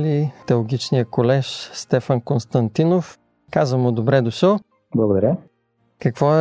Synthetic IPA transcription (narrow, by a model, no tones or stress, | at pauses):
lit̪ɛlˠɡʲit͡ʃnijəkolɛʃst̪ɛfənkonst̪ɐnt̪inof | kazvəmʊd̪obɾɛd̪ʊʃəl | blˠɐɡod̪ɐɾʲə | kɐkvɔɛ